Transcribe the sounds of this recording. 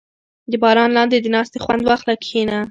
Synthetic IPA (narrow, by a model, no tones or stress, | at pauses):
d̪əbɑɾɑnlɑnd̪ed̪ənɑst̪exwand̪wɑxlakʰena